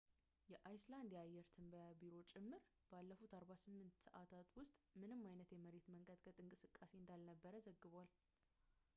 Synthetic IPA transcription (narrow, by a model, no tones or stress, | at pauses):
jɛʔajsland̪ijajːɛɾt̪ʰɨmbəjabiɾo̞t͡ʃʼɪmːɨɾ | b̥alːəfut̪aɾβasɨmːɨnt̪sə̰ʔat̪ʰat̪wʊst̪ʼmɨnɨmːajnət̪jɛməɾe̞t̪məŋkʼəd̪kʰət̪ʼɨŋkʼɨsɨkʼːase̞ɨnd̪alnəbːəɾəzəɡːɨβal